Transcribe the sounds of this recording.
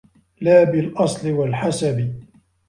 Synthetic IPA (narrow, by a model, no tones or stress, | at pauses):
laːbɪlʔɑsˤlɪwalħasabɪ